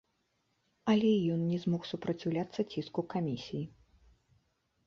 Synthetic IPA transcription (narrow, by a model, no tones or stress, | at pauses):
ɐlʲɛjɔnnʲɛzmɔxsupɾɐt͡sʲiwlʲat̪sːɐt͡sʲiskukamʲisʲiji